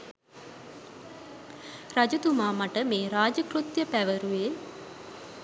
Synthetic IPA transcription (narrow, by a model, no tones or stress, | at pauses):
rad͡ʒɐt̪umaːmaʈəmeːɾaːd͡ʒəkrut̪jəpæʋəɾue